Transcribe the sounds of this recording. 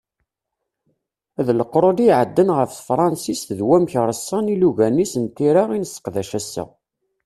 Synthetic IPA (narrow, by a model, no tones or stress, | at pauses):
æðləqɾˤoliʕəd̪ːənʁəfθfɾˤɑnsisθðwæmçɾˤəsːɑniluʝænisənt̪iɾɑʁinəsə̥qðæʃæsːə̰